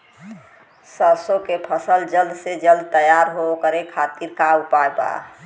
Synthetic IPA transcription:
səsokepʰəsəld͡ʒəld̪ʱsed͡ʒəld̪̚ʱt̪əjaɾɦokəɾekʰat̪iɾkaupajba̰

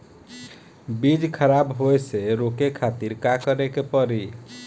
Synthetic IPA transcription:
bid͡ʒkʰəɾabɦojseɾokekʰat̪iɾkakəɾekepəɾi

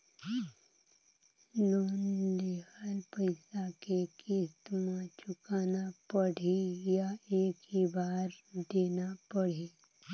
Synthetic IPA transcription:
loːnd̪eːkəlpəɪsakeːkest̪mãt͡ʃʊkaːnapəɽ̤ijaeːkɦibaːɾd̪eːnapəɽ̤iː

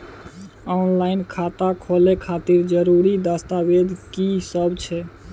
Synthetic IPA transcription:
ɔnlaɪnkʰat̪akʰolekʰat̪iɾd͡ʒəɾuɾid̪ast̪abed̪ʱkisəbt͡ʃʰɛ

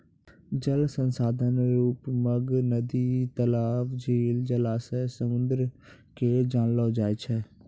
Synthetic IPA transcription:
d͡ʒəlsənsaːd̪ʱənɾuːpməɡnəd̪iːt̪əlaːfd͡ʒeːld͡ʒəlaːsɛsəmʊ̃nd̪əɾkeːd͡ʒaːnloːd͡ʒaːet͡ʃʰɛː

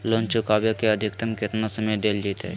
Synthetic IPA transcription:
loːnt͡ʃʊkaːbjokeəd̪ʱɪkt̪əmkɪt̪nasəməjɖeːld͡ʒiːt̪ɦɛ̰

